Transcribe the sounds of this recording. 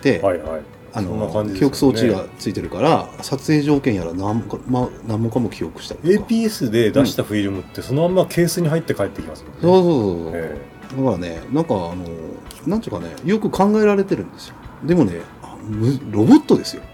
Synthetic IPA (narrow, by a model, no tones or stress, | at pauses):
t̪e̞aihai | anoonːakãɲd͡ʑikʰʲio̞kɯ̟̥so̞ːt͡ɕiɡat͡sɨit̪e̞ɾɯ̟kaɾasat͡sɨe̞ːʑo̞ːkẽɰ̃jaɾanamkmanãmːokamo̞kʲijo̞kɯ̟̥ɕi̥t̪a̰t̪i̥tepʲiːesɨd̪e̞d̪aɕi̥t̪aɸɯ̟iɾɯ̟mɯ̟t̪ːe̞so̞noamːakʰe̞ːsɨɲ̟iɦait̪ːekaet̪ːe̞kʲimasɨmo̥soːso̞ːsoːso̰ | d̪akaɾane̞̰nãŋkaːno̞nãnt̪ɯɯkane̞̰jo̞kɯ̟kãŋɡae̞ɾaɾe̞t̪e̞ɾɯ̟̃nd̪e̞sɨ̥jo̞̥d̪e̞mo̞ne̞ | amɯɾo̞bo̞t̪ːo̞d̪e̞sɨjo̞